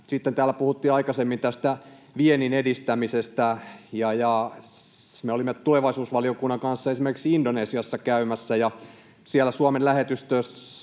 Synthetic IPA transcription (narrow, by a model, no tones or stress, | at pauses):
sit̪ːent̪æːlːˑæpuhut̪ːiːɑikɑsemːint̪æst̪æ | ʋieninedist̪æmisest̪æ | jɑjɑ | meolimːet̪uleʋɑisuːsʋɑliokunːɑŋkɑnsːɑesimerkiksiindoneːsiɑsːɑkæymæsːæjɑ | sielːˑæsuɑmenlæhet̪yst̪øːs